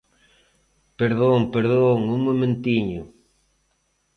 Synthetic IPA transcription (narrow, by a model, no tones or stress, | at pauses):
peɾðoŋpeɾðoŋumomẽnt̪iɲʊ